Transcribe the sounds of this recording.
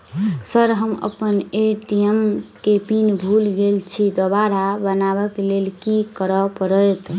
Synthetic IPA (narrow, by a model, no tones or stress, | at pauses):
səɾɦəmə̰pəneʈiemkepinbʱulɡelt͡ʃʰid̪ɔbaɾabənabəklelkikəɾəpəɾəjt̪